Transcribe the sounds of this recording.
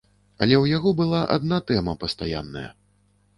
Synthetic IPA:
ɐlʲɛwjaɣɔbɨlˠaʔa̰d̪nat̪ɛmɐpɐst̪aja̰nːɐ̰jɐ̰

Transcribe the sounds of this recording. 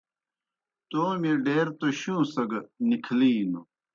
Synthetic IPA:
t̪oːmiɖeːɾt̪oɕũːsɐɡɐnikʰliːno

